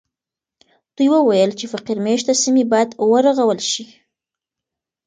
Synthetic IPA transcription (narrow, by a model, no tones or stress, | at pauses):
d̪̥ujwəwajəlt͡ʃefaqiɾmeʃ̬t̪asimibɑjad̪wəɾaɣawəlʃi